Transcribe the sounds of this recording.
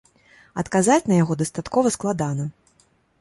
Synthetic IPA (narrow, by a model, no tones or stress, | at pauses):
ɐt̪kazat͡sʲnɐjaɣɔd̪ɐst̪at̪kɔvɐsklˠad̪anɐ